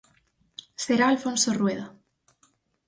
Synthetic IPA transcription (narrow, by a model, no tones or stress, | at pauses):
seɾaːlfonsorweða